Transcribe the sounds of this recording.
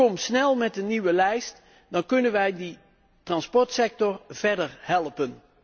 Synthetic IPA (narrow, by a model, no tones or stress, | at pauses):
ɔmsnɛlˠmɛt̚dəniʋəlɛjst | dɑnkɵnənʋɛjdə | trɑnspɔɹtsɛk̚tɔrv̥ɛɹdəɹhɛlˠpən